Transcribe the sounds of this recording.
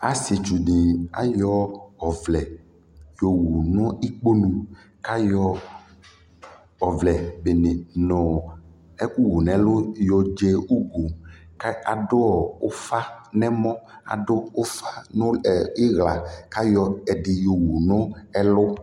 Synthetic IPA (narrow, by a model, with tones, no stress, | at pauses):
a̰˨sɪ˨t͡ʃu˨ɖi˨a̰˨jɔ˦ɔ˨vlɛ˨ | jo˨wu˨nʊ̃˦i˦k͡po˦nũ˨ | ka˦jɔ˦ | ɔ˨vlɛ˨be˨ne˨nɔ̃˨ | ɛ˦ku˦ɡo˨nɛ̃˨lʊ˦jɔ˨d͡ʒe˦u˦ɡo˨ka˨dʊ˦ɔ˨o˦fa˦nɛ̃˦mɔ̃˦a̰˨ɖʊ˦ʊ˦fa˦nʊ̃˦˨i˦ɣla˨ka˦jɔ˨ɛ˨ɖɪ˨jo˨wu˨nʊ̃˦ɛ˦lʊ˦